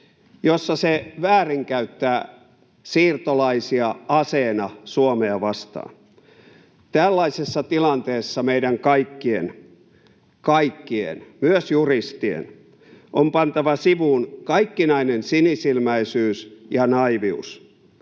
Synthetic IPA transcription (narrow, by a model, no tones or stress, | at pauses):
josːɑseʋæːriŋkæyt̪ːæː | siːrt̪olɑisiɑɑseːnɑsuomeɑʋɑst̪ɑ̰ːn | t̪ælːɑisesːɑt̪ilɑnt̪eːsːɑmeiɾæŋkɑikːien | kɑikːiḛnmyøsjurist̪iḛn | ʔompɑnt̪ɑʋɑsiʋunkɑikːinɑinensinisilmæisyːsjɑnɑiʋius